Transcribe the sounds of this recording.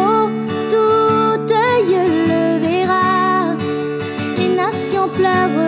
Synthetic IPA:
o | t̪ut̪əjələvɛʁa | enasjɔ̃plœʁə

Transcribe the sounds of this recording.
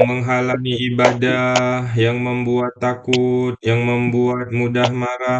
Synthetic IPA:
məŋɦalaniibadajaŋməmbuat̪ːakʊt̪̚jaŋməmbuat̪̚mudahmaɾa

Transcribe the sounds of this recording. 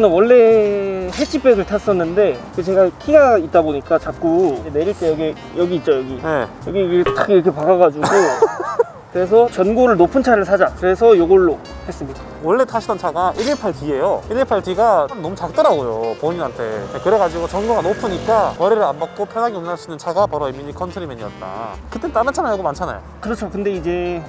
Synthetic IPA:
nɯnwʌɭːe̞het͡ɕ͈ʰip͈ʰeɡɯɭtʰas͈ʌnːɯnde̞kɯt͡ɕeɡakʰiɡait̚t͈aboɲik͈at͡ɕap̚k͈ud͡ʑene̞ɾiɭt͈ejʌɡe | jʌɡiːt̚t͡ɕ͈ojʌɡinejʌɡiɡit͈akiɾʌkʰe̞paɡaɡad͡ʑuɡo | kɯɾe̞s̬ʰʌt͡ɕjʌnɡoɾɯɭnopʰɯnt͡ɕʰaɾɯɭsʰad͡ʑakɯɾe̞sʰʌjoɡʌɭːo | he̞s͈ɯmɲida | wʌɭːe̞tʰaɕʰidʌnt͡ɕʰaɡaʔiɾipʰaɭtɥie̞joiɾipʰaɭtɥiɡaomnnʌmut͡ɕak̚t͈ɯɾaɡojopoɲinɦantʰe̞̰nekɯɾe̞ɡad͡ʑiɡot͡ɕʌnɡuɡanopʰɯɲik͈amʌɾiɾɯɾambak̚k͈opʰjʌnaŋionnaɭs͈ʰidɯnt͡ɕʰaɡapʌɾʌimiɲikʰʌnsʰɯɾimeɲiʌt̚t͈a̰kɯt͈et͈anɯt͡ɕʰanajaɡomant͡ɕʰana̰jo̰kɯɾʌt͡ɕʰokɯnde̞id͡ʑe̞

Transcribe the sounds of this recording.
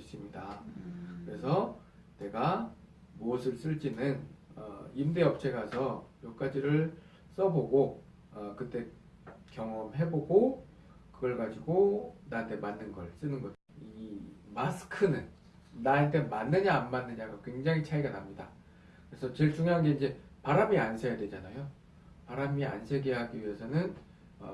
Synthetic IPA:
s͈imɲidakɯɾe̞̰sʰʌ | ne̞ɡa | mosʰɯɭs͈ɯɭt͡ɕ͈inɯnʌ̰imde̞ʌp̚t͡ɕʰe̞ɡasʰʌjok͈ad͡ʑiɾɯɭ | s͈ʌboɡo | ʌkɯt͈e̞ | kjʌŋʌmɦe̞boɡo | kɯɡʌɭɡad͡ʑiɡonaɯnt͈ʰe̞manːɯnɡʌɭs͈ɯnɯnɡʌ | imasʰɯ̥kʰɯnɯnː | aɯnt͈e̞manːɯɲaːnmanːɯɲaɡakwe̞ŋd͡ʑaŋit͡ɕʰaiɡanamɲida | kɯɾe̞sʰʌt͡ɕeɭt͡ɕuŋjoɦanɡe̞ind͡ʑe̞paɾamiansʰejadwe̞d͡ʑanajo | paɾamia̰nsʰe̞ɡe̞ɦaɡiɥiɦe̞sʰʌnɯn | ʌ̰

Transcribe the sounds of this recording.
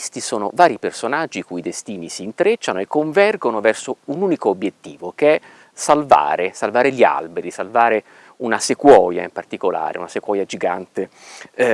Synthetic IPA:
st̪isoːno̰vaːɾipersonad͡ʒːikuid̪est̪iːnisiːnt̪ɾet͡ʃːanoekːoɱvɛrɡonovɛrsounuːnikoːbːjet̪ːḭːvokeɛ | salva̰ːɾesalvaːɾeʎia̰lbeɾisalvaːɾe | unasekwɔːja̰impart̪ikola̰ːɾḛunasekwɔːjad͡ʒiɡant̪e

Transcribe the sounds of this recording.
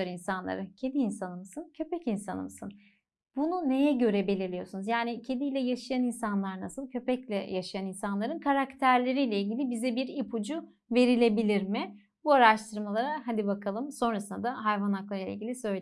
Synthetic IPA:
ɾinsanlˠa̰ɾɯcʰe̞d̪iːnsanɯmɯsɯncʰø̞pɛcinsa̰nɯ̰mɯsɯn | bunune̞jɛɟø̞ɾɛbe̞lʲiɾlʲijo̞sunuzjaːnicʰe̞d̪ijlʲɛjaʃajaninsanlˠaɾnasɯlˠcʰø̞pɛclʲɛ̰jaʃajaninsanlˠaɾɯnkʰaɾakt̪ʰæɾlʲe̞ɾijlʲɛilʲɟilʲibizɛbiɾipʰud͡ʒu | ve̞ɾilʲe̞bilʲiɾmɪ | buaɾaʃt̪ʰɯɾmalˠaɾaɦad̪ibakʰalˠɯmso̞nɾasɯnd̪ad̪aɦajvanaklˠaɾɯlʲˠaḭlʲɟʲilʲisø̞jlʲ

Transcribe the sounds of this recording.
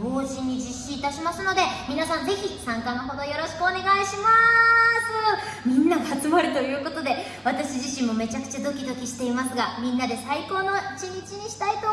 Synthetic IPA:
boːɕĩɲ̟ːid͡ʑiɕːiːt̪aɕimasɨno̞d̪e̞mʲinasãnd͡ze̞çʲisãŋkano̞ɦo̞d̪o̞jo̞ɾo̞ɕi̥kɯone̞ɡaiɕimasɨ | mʲĩnːaɡat͡sɨmaɾɯ̟t̪o̞jɯ̟ːko̞t̪o̞d̪e̞ | βat̪aɕiʑiɕĩmːo̞me̞t͡ɕakɯ̟t͡ɕad̪o̞kʲid̪o̞kʲiɕi̥t̪e̞imasɨɡamʲĩnːad̪e̞saiko̞ːno̞it͡ɕiɲ̟it͡ɕiɲ̟iɕi̥t̪ait̪o̞

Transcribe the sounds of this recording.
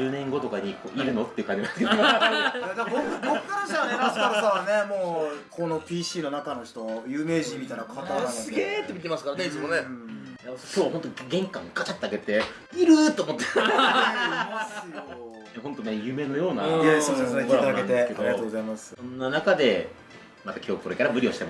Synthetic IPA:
d͡ʑɨːnẽ̞ŋɡo̞t̪o̞kaɲ̟iko̰ːʔiɾɯ̟no̞t̪ːeiɯ̟kãɲd͡ʑimãnsɨkeo | d̪eɡokɯɡokɯkaãɕaoasaɾasaβane̞moːkʰono̞pʲiːɕiːno̞nakano̞çi̥t̪o̞jɯːme̞ːʑimʲit̪ajnakʰat̪aasɨɡe̞ːt̪ːe̞mʲit̪e̞mast̪akaɾane̞it͡sɨmo̞ne̞ | jakʲo̞ːβhont̪oɡẽ̞ŋkãŋɡat͡ɕat̪ːeaɡe̞t̪e̞ | iɾɯ̟t̪ːoːmo̞t̪ːe | asɨjo | neɦõ̞nt̪o̞ne̞jɯ̟ːme̞no̞jo̞ːna̰asoesoɾeoeɾaeaaẽesked̪oɾiatoːɡozaimasɨ̥sõ̞nːanakad̪e̞ | mat̪akʲʰo̞ːko̞ɾe̞kaɾamɯ̟ɾʲio̞ɕit̪e̞ma

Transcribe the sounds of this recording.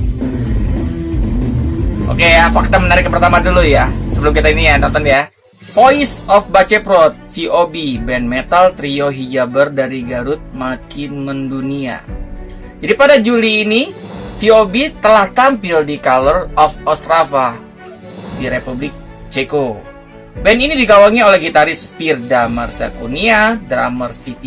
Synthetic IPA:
ʔo̰kejafak̚t̪amənaɾɪkəpərt̪amadulujasəbəlumkit̪ainijanɔnt̪ɔnja | foisɔfbat͡ʃɛpɾɔt̪̚fiʔobibɛnmet̪alt̪ɾioɦid͡ʒabərdaɾiɡaɾʊt̪̚makɪnməndunia̰ | d͡ʒadipadad͡ʒuliːnifiobit̪əlaht̪ampɪldikalərɔfɔst̪ɾafa | diɾepublɪk̚ | t͡ʃeko | bɛninidiɡawaŋiolɛhɡit̪aɾɪsfirdamərsa̰kuniadɾamərsit̪i

